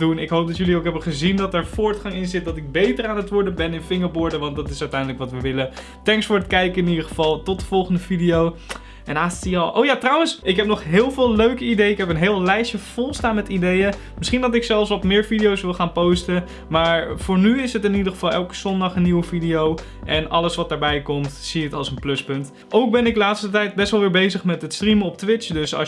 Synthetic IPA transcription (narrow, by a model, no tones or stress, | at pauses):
dunɪkɦowp̚dɔtjɵliowkɦɛbəχəzindɑtɛɹfʊːɹtχɑŋɪnzɪt̚dɑtɪɡ̚bejtəraːnətʋʊɹdəbɛnɪnfɪŋəɹbɔɹdəʋɑndɑtɪsœɥtɛjndələkʋɑtʋəʋɪlə | tɛŋksfʊːɹətkɛjkəɪnidəχəvɑlˠtɔt̚dəv̥ɔlˠχəndəvidijow | ʔɛnaːstiɑlˠʔo̰wjaːtrʌwənsɪkɦɛpnɔχɦɪːlˠvɪːlˠløɥkəidejɪkɦɛpənɦɪːlˠlɛjʃjəfolˠstaːnmɛtidejə | mɪsχindɔtɪksɛlˠfsɔpmɪːɹfidijowsʋɪlˠχaːnpowstə | maːɹfʊːɹnyɪsɦətɪnidəχəfɑlˠɛlˠkə̥z̥ɔndɑχənːiwəfidijow | ʔɛnɑləsʋɑtdaːɹbɛjkɔmtsiətɑlˠsənplɵspɵnt | ʔowk̚bɛnɪklaːtstətɛjt̚bɛstʋɛlˠʋɪːɹbejzəχmɛtətstriməɔp̚tʋɪt͡ʃdøsɑ̰